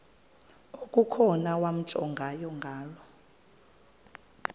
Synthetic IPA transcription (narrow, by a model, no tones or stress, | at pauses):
okʼukʰɔnawam̩t͡ʃʼɔ̰ŋɡʱajɔŋɡʱaːlɔ